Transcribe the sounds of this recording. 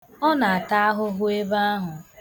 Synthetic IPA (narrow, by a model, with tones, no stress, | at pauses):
ɔ˦na˨a˨ta˦a˦ɦʊ˦ɦʊ˦e˦ba˦a˦ɦʊ˨